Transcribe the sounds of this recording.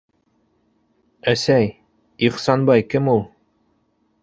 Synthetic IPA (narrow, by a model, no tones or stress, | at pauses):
æsæj | iχsɑnbɑjkɘmulˠ